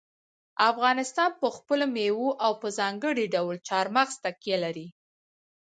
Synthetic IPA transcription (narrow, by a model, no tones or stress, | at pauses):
afɣɑnɪst̪ɑnpəxpəlomewoʔawpəzɑŋɡəɽiɖawlt͡ʃɑɾmaxst̪akjelaɾi